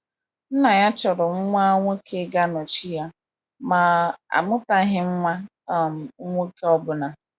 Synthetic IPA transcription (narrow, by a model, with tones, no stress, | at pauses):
n̩˦na˨ja˦t͡ʃɔ˨ɾʊ˨ŋ͡m̩˦ŋʷa˦ŋʷo˦kʰe˦ɡa˦nɔ˨t͡ʃi˦ja˦ | ma˨a̰˨mʊ˦ta˦ɦɪ˦ŋ͡m̩˦ŋʷa˦˨ | m̩˨˦ŋʷo˦ke˦ɔ˦bʊ˨na˨